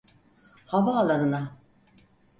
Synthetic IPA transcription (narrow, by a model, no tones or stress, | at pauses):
havaːlˠaɾɯna